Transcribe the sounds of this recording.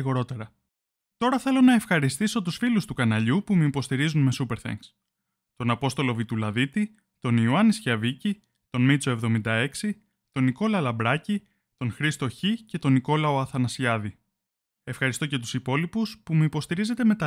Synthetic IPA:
ɣo̞ɾo̞t̪e̞ɾɐ | t̪o̞ɾɐθe̞lo̞nɐe̞fxɐɾist̪iso̞t̪usfilust̪ukɐnɐʎupumeipo̞st̪iɾizunme̞supe̞ɾθḛŋɡs | t̪o̞nɐpo̞st̪o̞lo̞vit̪ulɐðit̪i | t̪o̞niuɐnisçɐvici | t̪o̞nmit͡so̞e̞vðo̞mind̪ɐe̞ksi | t̪o̞niko̞lɐlɐbɾɐci | t̪o̞nxɾist̪o̞çice̞t̪o̞niko̞lɐo̞ɐθɐnɐsiɐði | e̞fxɐɾist̪oce̞t̪u̥sipo̞lipuspumeipo̞st̪iɾize̞t̪e̞me̞t̪ɐ

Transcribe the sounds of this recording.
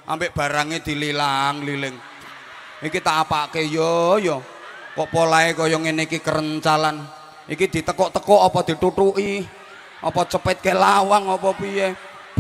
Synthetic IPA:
ʔa̰mbeʔb̥a̤ɾaŋed̪̥i̤lilaŋlilɪŋ | ikit̪apaʔkejɔjɔ | kɔʔpɔlaekɔjɔŋenikikəɾəɲt͡ʃalan | ʔikid̪̥i̤t̪əkɔʔt̪əkɔʔɔpɔd̪̥i̤ʈ̪uʈuʔi | ʔɔ̰pɔt͡ʃəpɛt̪̚kelawaŋopɔpije

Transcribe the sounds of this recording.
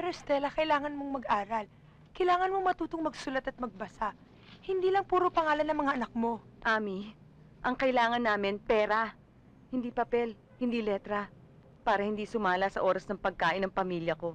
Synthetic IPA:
pɛɾost̪ɛlɐkɐɪlaːŋɐnmoŋmɐɡʔaːɾɐl | kɐjlaːŋɐnmo̞ŋmɐt̪uːt̪oŋmɐɡsʊlɐt̪ɐt̪̚mɐɡ̚bɐsaʔ | hɪnd̪iːlɐŋpuːɾopɐŋaːlɐnːɐŋmɐŋaʔɐnɐk̚mo̞ʔaːmi | ʔɐŋkɐʔɪlaːŋɐnːaːmɪnpɛːɾɐ | hɪnd̪iːpɐpɛl | hɪnd̪iːlɛt̪ɾɐ | paːɾɐhɪnd̪iːsʊmaːlɐsɐʔo̞ːɾɐsnɐŋpɐɡ̚kaːʔɪnːɐŋpɐmiːljɐko̞

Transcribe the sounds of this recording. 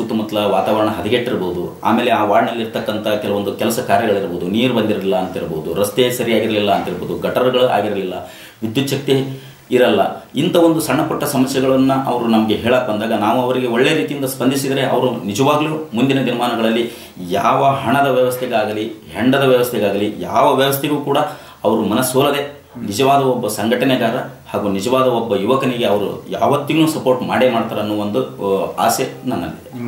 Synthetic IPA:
ut̪ːumɐt̪lɐʋaːt̪aːʋɐɾɐɳɐɦɐd̪iɡeʈːiɾɐbɐud̪ua̰ːme̞ːleaːʋaːɾnɐlːiɾt̪ɐkːɐnt̪ʰɐkɛlɐʋo̞nd̪ukɛlɐsɐkaːɾjɐɡɐɭiɾboːud̪uniːɾbɐnd̪iɾɐlilːɐːnt̪iɾɐboud̪uɾɐst̪esɐɾijaːɡiɾɐlilːɐːnt̪iɾboːd̪uɡɐʈɐɾɡɐɭuʔa̰ːɡiɾɐlilːɐ | ʋid̪jut̪ːʃɐk̚t̪e | iɾɐlːɐ̰int̪ɐʋond̪usɐɳːɐpɔʈːɐsɐmɐsjɛɡɐɭɐnːuʔɐʋɐɾunɐmɐɡe̞ɦɛːɭaːkbɐnd̪aːɡɐnaːʋuɐʋɐɾiɡe̞oɭːejɐɾiːt̪ijind̪ɐspɐnd̪ʱisid̪ɐɾe̞ʔɐ̰ʋɐɾunid͡ʒɐʋaːɡɐljumund̪inɐd̪iɾɐmaːnɐɡɐɭɐlːi | jaːʋɐɦɐɳɐd̪ɐʋjɐʋɐst̪ʰeɡaːɡɐliɦeɳɖɐd̪ɐʋjɐʋɐst̪ʰɛɡaːɡɐlija̰ːʋɐʋjɐʋɐst̪ʰeɡuːkuːɽɐ | ɐʋɐɾumɐnɐsoːlɐd̪e̞ | nid͡ʒɐʋaːd̪ɐobːɐsɐŋɡɐʈɐneɡaːɾɐ | haːɡuːnid͡ʒɐʋaːd̪ɐobːɐjuʋɐkɐniɡe̞ɐʋɐɾṵja̰ːʋɐt̪ːiɡnuːsɐpoːɾʈmaːɽemaːɽt̪aːɾɐɐnːuʋond̪ua̰ːsjenɐnːɐ̰lːḭd̪e

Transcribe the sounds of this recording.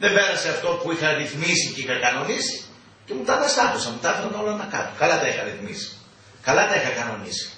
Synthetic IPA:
ðembeɾɐse̞ɐft̪o̞puixɐɾiθmisiceixɐkɐno̞nisi̥ | ce̞mut̪ɐðɐst̪ɐkosɐmut̪ɐfɾono̞lɐnɐkɐ̰t̪okɐlɐt̪ɐixɐɾiθmisi̥ | kɐlɐt̪ɐixɐkɐno̞nḭsi̥

